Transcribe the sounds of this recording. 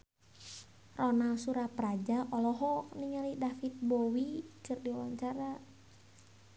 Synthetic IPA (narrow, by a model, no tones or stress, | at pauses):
rɔnasuɾapɾad͡ʒaʔɔlɔɦɔniŋalidafit̪̚bowit͡ʃɨrdiuwaɲt͡ʃaɾa